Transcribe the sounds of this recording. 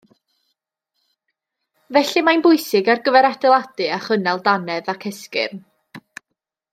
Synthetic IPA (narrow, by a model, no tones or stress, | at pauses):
vɛɬimanbʊɨsɪɡarɡəvɛɾadɛlˠad̥ɨaχənɛlˠdanɛðakʰɛskɪ̰rn